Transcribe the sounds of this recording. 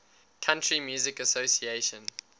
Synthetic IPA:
kʰãntɹimjuːzɪkəsoʊsieʃə̃n

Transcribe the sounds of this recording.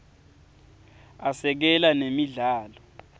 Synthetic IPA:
asɛk̬ɛlanemiɮaːlɔ

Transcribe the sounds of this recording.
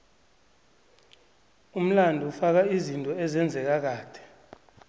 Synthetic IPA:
um̩landʱufak̬aizintʼɔɛzɛnd͡zʱɛk̬ak̬aːd̥ʱɛ̥

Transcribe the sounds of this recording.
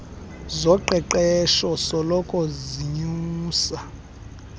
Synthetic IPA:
zɔǃɛǃɛʃɔsɔlɔkʼɔziɲuːsa

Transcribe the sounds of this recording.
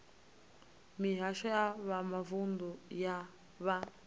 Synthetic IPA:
miɦaʃɔjaβamavund̪ɔja | βa

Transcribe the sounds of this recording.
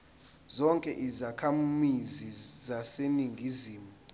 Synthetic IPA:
zɔŋkʼɛʔizakʰamizizaseniŋɡʱiziːmu

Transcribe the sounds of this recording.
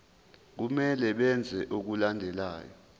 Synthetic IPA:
k̬umɛlɛɓɛnd͡zʱɛʔok̬ulandʱɛla̰ːjɔ

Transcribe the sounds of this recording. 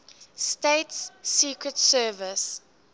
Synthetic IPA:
steɪtsːiːkɹətsɜːvəs

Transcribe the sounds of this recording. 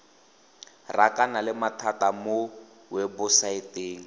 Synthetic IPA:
rakanalɪmatʰatamʊ | wɛbʊsaɪteːŋ̩

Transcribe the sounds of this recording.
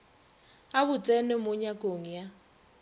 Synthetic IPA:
aβʊt͡sʼɛnɛmʊɲakʼoŋija

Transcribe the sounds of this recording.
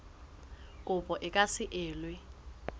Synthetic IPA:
kʼʊpʼɔʔɪkʼasɪʔɪːlwɛ

